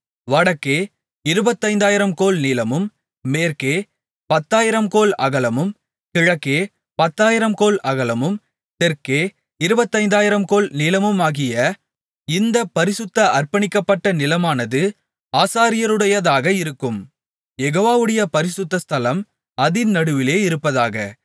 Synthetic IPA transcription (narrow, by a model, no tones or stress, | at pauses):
ʋɐɽɐkːeː | ɪɾɯbɐt̪ːɐɪnd̪aːjɪɾɐmkoːlniːlɐmɯmː | eːɾkeː | pɐt̪ːaːjɪɾɐmkoːlɐɣɐlɐmɯm | kɪɻɐkːeː | pɐt̪ːaːjɪɾɐmkoːlɐ̰ɣɐlɐmɯm | t̪ɛɾkeː | ɪɾɯbɐt̪ːɐɪnd̪aːjɪɾɐmkoːlniːlɐmɯmaːɣɪjɐ | ɪnd̪ɐpɐɾɪsɯt̪ːɐʔɐrpɐɳɪkːɐpːɐʈːɐnɪlɐmaːnɐðɯ | aːsaːɾɪjɐɾɯɽɐjɐðaːɣɐɪɾɯkːɯm | jɛɣoːʋaːʋɯɽɐjɐpɐɾɪsɯt̪ːɐst̪ʰɐlɐm | ɐðɪnnɐɽɯʋɪleːɪɾɯpːɐðaːɣɐ